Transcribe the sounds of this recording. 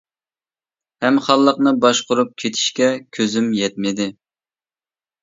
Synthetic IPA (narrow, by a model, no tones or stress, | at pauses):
hɛmχɑlˠːəqnɨbɑʃqʊɾup̚kʲʰet̪ʰi̥ʃkʲɛkʲʰøzymjɛt̪̚mɪd̪ɪ